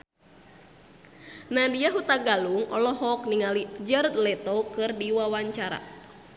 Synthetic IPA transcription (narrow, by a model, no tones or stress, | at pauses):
nadiaɦut̪aɡaluŋɔ̰lɔɦɔk̚niŋalid͡ʒərt̪̚lɛt̪ɔkɨrdiwawaɲt͡ʃaɾa̰